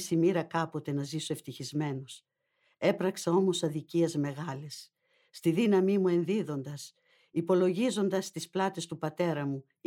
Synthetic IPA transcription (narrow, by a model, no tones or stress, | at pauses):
simiɾɐkɐpo̞t̪e̞nɐzisoe̞ft̪içizme̞nos | e̞pɾɐksɐo̞mo̞sɐðiciezme̞ɣɐlesː | t̪iðinɐmimue̞nðiðo̞nd̪ɐs | ipo̞lo̞ʝizo̞nd̪ɐst̪isplɐt̪e̞st̪upɐt̪e̞ɾɐmu